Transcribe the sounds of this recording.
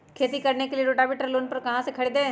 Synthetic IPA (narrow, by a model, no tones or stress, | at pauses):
kʰeːt̪iːkəɾneːkelieːɾoːʈaːbeːʈəɾloːnpəɾkəɦãːsekʰəɽid̪eː